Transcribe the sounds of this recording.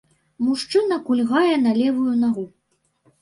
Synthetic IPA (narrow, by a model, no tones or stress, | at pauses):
muʂt͡ʂɨnɐkulʲɣajɛnɐlʲɛvujunaɣu